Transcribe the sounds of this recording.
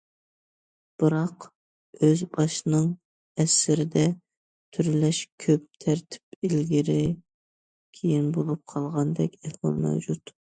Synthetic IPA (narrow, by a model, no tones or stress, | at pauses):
b̥ɨɾɑq | øzbɑʃnɨŋ | ɛsɪɾɪd̪ɛ | t̪ʰyɾlɛʃkʲʰøp̚t̪ʰæɾt̪ʰɪ̥pilɡʲiɾɪ | kʲʰejinbolˠup̚qʰɑlˠʁɑnd̪ɛkʲɛhwɑ̰lˠmɛ̰wd͡ʒut̪